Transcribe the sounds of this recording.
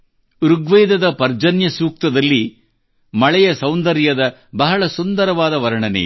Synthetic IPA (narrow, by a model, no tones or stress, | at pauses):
ɾuɡʋejd̪ɐd̪ɐpɐɾd͡ʒɐnjɐsuːk̚t̪ɐd̪ɐlːi | mɐɭɛjɐsɐwnd̪ɐɾjɐd̪ɐbɐɦɐɭɐsund̪ɐɾɐʋaːd̪ɐʋɐɾɐɳɐnḛ